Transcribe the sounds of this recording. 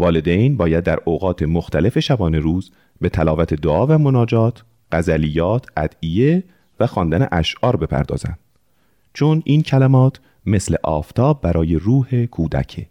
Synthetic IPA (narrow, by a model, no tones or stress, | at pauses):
vɒːle̞d̪ejnbɒːjæd̪ːæɾoɣɒːt̪ʰe̞moxt̪ʰæle̞fe̞ʃæbɒːne̞ɾuːz | be̞t̪ʰælɒːvæt̪ʰe̞d̪oʔɒːvæmonɒːd͡ʒɒːt̪ʰ | ɢ̥æzælijɒːt̪ʰʔæ̰d̪̥ije | væxɒːnd̪ænḛʔæʃʔɒːɾbe̞pʰæ̰ɾd̪ɒ̰ːz̥æ̰nd̪̥ | t͡ʃʰonʔiːncʰælæmɒːt̪ʰ | me̞slḛʔɒ̰ːft̪ʰɒːb̚ːæɾʔɒːje̞ɾuːhe̞kʰuːd̪æ̰cʰe